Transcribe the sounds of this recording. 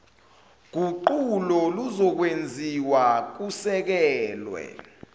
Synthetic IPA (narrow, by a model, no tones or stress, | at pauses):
k̬uǃulɔluzɔk̬wend͡zʱiwak̬usɛk̬ɛːlwɛ̰